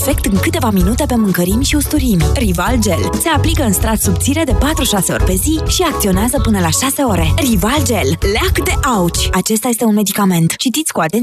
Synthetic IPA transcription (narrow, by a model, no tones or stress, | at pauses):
fe̞kt̪ɨŋkɨt̪e̞vaminut̪e̞pe̞mɨŋkəɾimʃiust̪uɾimrivald͡ʒe̞lse̞aplikəɨnst̪ɾat̪subt̪siɾe̞d̪e̞pat̪ɾuʃase̞o̞̰rʲpe̞ziʃiak̚t̪sio̞neazəpɨnəlaʃase̞o̞ɾe̞rivald͡ʒe̞lleakd̪e̞ʔaut͡ʃʲat͡ʃe̞st̪aje̞st̪e̞unme̞d̪ikame̞nt̪t͡ʃit̪it̪sʲkuat̪en